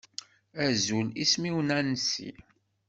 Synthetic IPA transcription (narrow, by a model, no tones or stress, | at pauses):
æzulismiwnænəsḭ